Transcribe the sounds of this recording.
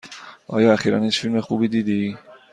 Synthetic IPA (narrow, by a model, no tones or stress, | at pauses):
ʔɒ̰ːjɒːæxiːɾæ̰net͡ʃfilme̞xubiːd̪iːd̪i